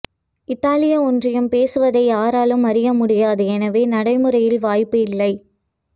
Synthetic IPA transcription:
ɪt̪ːaːlɪjɐɔndrɪjɯmpeːsɯʋɐðɐɪjaːɾaːlɯmɐɾɪjɐmʊɽɪjaːðɯɛnɐʋeːnɐɽɐɪmɯɾɐjɪlʋaːjpːɯɪlːɐɪ

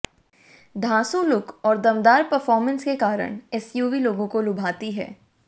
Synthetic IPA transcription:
d̪ʱaːsõlʊkɔːɾd̪ɐmd̪aːɾpɐɾfɔːɾmə̃nskekaːɾə̰ɽ̃ɛsjuːʋiloːɡõkolʊbʱaːt̪iɦɛ̰ː

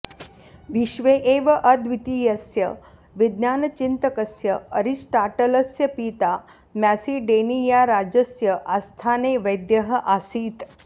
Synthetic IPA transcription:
ʋiɕʋeʔeʋəʔəd̪ʋit̪iːjɐsjə | ʋid̪njaːnɐt͡ʃint̪əkəsjəəɾisʈaʈələsjəpiːt̪a | mjasiːɖenijaɾad͡ʑəsjəʔast̪ʰaneʋəjd̪jəɦəʔasiːt̪

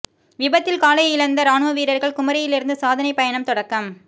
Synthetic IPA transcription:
ʋɪbɐt̪ːɪlkaːlɐɪɪlɐnd̪ɐɾaːɳʋɐʋiːɾɐɾɣɐɭkʊmɐɾɐjɪlɪɾɯnd̪ɯsaːðɐnɐɪpɐjɐɳɐmt̪ɔɽɐkːɐm

